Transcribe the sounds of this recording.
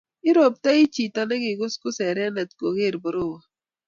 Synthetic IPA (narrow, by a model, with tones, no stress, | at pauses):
i˦ɾo˨p̚ta˦i˦t͡ʃi˨ta˨ne˦ɡi˨ɡʊ˦skʊ˦sɛ˨ɾɛ˦nɛ˨tko˨ɣe˦˨ɾbɔ˨ɾo˦˨wa˨